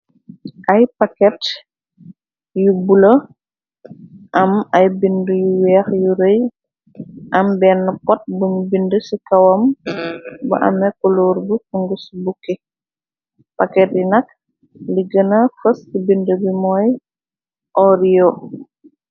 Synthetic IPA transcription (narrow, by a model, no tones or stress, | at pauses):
ʔɐjpakɛt | jubulə | ʔɐmɐjbindujuwɛːxjuɾəj | ʔɐmbɛːnːɐpɔt̚buɲubindəsikɐwɐm | bɐ̰ʔɐ̰mɛkɔluːɾbukuŋɡusbukːi | pɐkɛt̚jinɐk̚ | liɡənɐfəsːibindəbimɔːj | ʔɔɾijo